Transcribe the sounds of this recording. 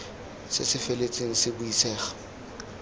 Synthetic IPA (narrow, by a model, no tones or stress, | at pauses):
sɪ̰sɪfelet͡sʼeŋ̩sɪbʊisɛːχḁ